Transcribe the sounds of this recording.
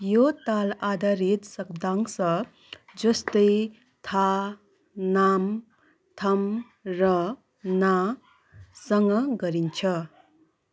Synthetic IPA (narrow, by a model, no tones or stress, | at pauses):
jot̪alad̪aɾit̪sʌk̚d̪aŋsʌ | d͡ʒʌst̪ʌj | t̪ʰa | nam | t̪ʰʌm | ɾʌ | na | sʌŋɡʌɡʌɾint͡ʃʰʌ